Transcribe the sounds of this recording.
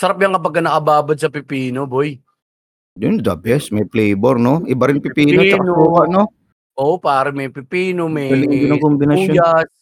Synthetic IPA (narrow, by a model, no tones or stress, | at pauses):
sɐɾap̚jɐŋkɐp̬ɐɡ̚kːɐnɐkɐbaːbɐd̪̚sɐpɪpiːnoboj | d̪ʊnd̪ɐ̰bɛsmɐjflɛjbɛɾnoʔɪbɐɾɪnpɪpiːnnot͡ʃɐkɐnuːkɐʔno | ʔoːʔopaːɾɪmɐjpɪpiːnomɛɐlɪŋɡɪnakombɪnɐojas